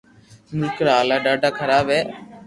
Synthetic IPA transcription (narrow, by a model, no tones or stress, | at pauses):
nɪkɾaːlaːɖaːɖaːkʰəɾaːbeː